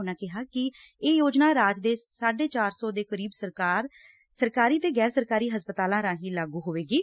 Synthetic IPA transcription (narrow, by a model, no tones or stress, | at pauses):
ʊnãːkɪɦaːkɪ | eːjoːd͡ʒnaːɾaːd͡ʒd̪eːsaːɖeːt͡ʃaːɾsɔːd̪eːkəɾiːbsəɾkaːɾ | səɾkaːɾiːt̪eːɡɛːɾsəɾkaːɾiːɦəspət̪aːlãːɾãːɦiːlaːɡuːɦoːʋeːɡiː